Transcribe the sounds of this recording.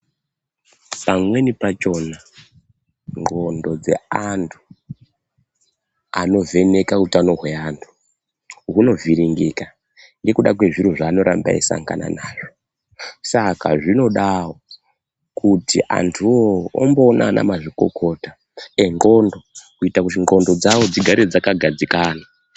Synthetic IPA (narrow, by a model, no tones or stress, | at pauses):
pamwe̞nipat͡ʃo̞na | ŋɡo̞ndo̞d͡ze̞̰antʰu | ano̞ve̞ne̞kakutiano̞ɦwe̞antʰu̥ | ɦuno̞viɾiŋɡika | ŋɡe̞kuɗakwe̞ʐiɾuʐaːno̞ɾamba̰isa̰ŋɡa̰na̰naːʐo | sakaʐino̞ɗawo | kutiʔa̰ntʰuoomboːna̰na̰maʐiko̞̰kʰo̞ːta | eŋɡo̞ndo̞kuitakutiŋɡo̞ndo̞d͡zawo̞d͡ziɡʱaɾed͡zakaɡʱad͡zikaːna